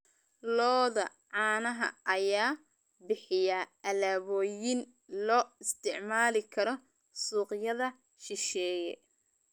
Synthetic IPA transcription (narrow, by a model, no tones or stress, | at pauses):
lɔːðɐ̰ | ʕɑːnɐɦɐ̰ʔɐjaː | bɪħɪjɐɐlaːβɔːjɪn | lɔːɪst̪ʰɪʕmaːlɪkʰɐɾɔ | suːqjɐðɐ | ʃɪʃɛːjɛ̰